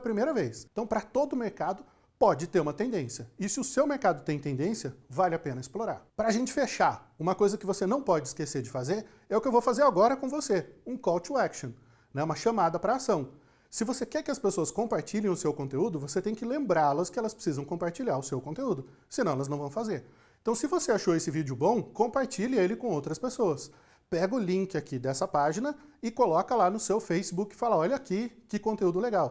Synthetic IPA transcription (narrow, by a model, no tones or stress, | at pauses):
ɐpɾimejɾɐvejsẽt̪ɐ̃w̃pɾɐt̪od̪ʊmeɾkad̪ʊ | pɔd͡ʒɪt̪eɾũmɐt̪ẽd̪ẽsjɐɪsɪʊsewmeɾkad̪ʊt̪ẽj̃t̪ẽd̪ẽsjɐvalɪapẽnɐɪsploɾa̰ɾpɾɐaʒẽnt͡ʃɪ̥feʃaɾũmɐkojzɐkɪvosenɐ̃w̃pɔd͡ʒɪskeseɾd͡ʒɪfazeɾ | ɛʊkɪewvowfazeɾaɡɔɾɐkõvoseũkɔwt͡ʃuɛkʃõ | nɛũmɐʃɐmad̪ɐpɾɐːsɐ̃w̃ | sɪvosekɛɾkɪɐspesoɐskõmpaɾt͡ʃiʎẽj̃ʊsewkõnt̪eud̪ʊvoset̪ẽj̃kɪlẽmbɾaɾlɐskɪɛlɐspɾɪ̥sizɐ̃w̃kõmpaɾt͡ʃiʎaɾʊsewkõnt̪eud̪ʊ | sɪnɐ̃ɛlɐznɐ̃w̃vɐ̃w̃fazeɾ | ẽt̪ɐ̃w̃sɪvoseaʃoesɪvid͡ʒʊbõw̃kõmpaɾt͡ʃiʎɪelɪkõowt̪ɾɐspesoɐs | pɛɡɐʊlĩŋkɪakid̪ɛsɐpaʒinɐɪkolɔkɐlanʊsewfejsibukɪ̥falɐɔʎɐkɪkɪkõnt̪eud̪ʊleɡaw